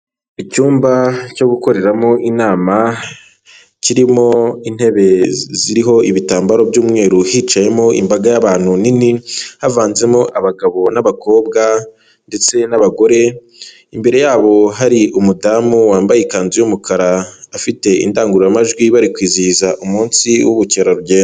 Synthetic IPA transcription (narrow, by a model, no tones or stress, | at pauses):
icuːmbaco̞ɡuko̞ɾe̞ɾamoʔinaːma | ciɾimo̞in̥he̞βe̞ziɾiɦo̞ʔiβitaːmbaɾo̞bjuːmŋe̞ːɾuhit͡ʃaje̞mo̞ʔḭmbaɡajaβaːn̥huninihavaːnze̞moʔaβaɡaβo̞naβakʰo̞ːbɡa | nde̞t͡se̞naβaɡo̞ɾe̞ | imbe̞ɾe̞jaːβo̞ɦaɾiumudaːmuwaːmbajikaːnzijumukʰaɾaːfite̞ḭndaːŋɡuɾujamaʒɡwiβaɾikwiːziizaʔumuːnsiwuβuceɾoɾuβɟeːno